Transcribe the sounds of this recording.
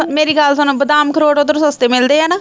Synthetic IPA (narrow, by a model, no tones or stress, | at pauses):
meːɾiːɡaːlsaːnũːbəd̪aːmkʰəɾoːʈod̪əɾsəst̪eːmɪld̪eːɦɛːnaː